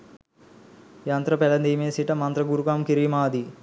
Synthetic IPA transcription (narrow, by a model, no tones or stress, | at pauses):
jɐnt̪ɾɐpɛlɐnd̪iːmeːsiʈɐmɐnt̪ɾɐɡuɾukaːmkiɾiːmaːd̪i